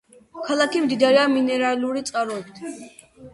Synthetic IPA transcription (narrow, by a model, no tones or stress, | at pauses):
kʰalˠakʰimd̪id̪aɾɛaminɛɾaluɾit̪sʼqʼaɾɔɛbit̪ʰ